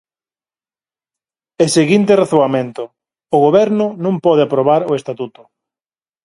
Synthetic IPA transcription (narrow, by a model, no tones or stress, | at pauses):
eseɣint̪eraθoamẽnt̪ʊ | ʊɣoβɛɾnʊnũmpɔð̞eapɾoβ̞aɾʊest̪at̪ut̪ʊ̥